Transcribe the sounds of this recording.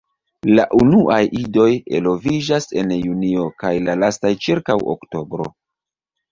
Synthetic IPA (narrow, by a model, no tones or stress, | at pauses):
laʔunuʔajʔido̞je̞lo̞vid͡ʒase̞njunio̞kajlalastajt͡ʃiɾkawo̰kto̞bɾo̞̰